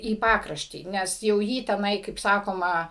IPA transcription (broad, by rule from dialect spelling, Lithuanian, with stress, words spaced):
iː ˈpɑːkrɐʃʲtʲiː ˈnʲɛs jɛʊ ˈjiː tʲɛˈnɐɪ kɐɪp ˈsɑːkoːmɐ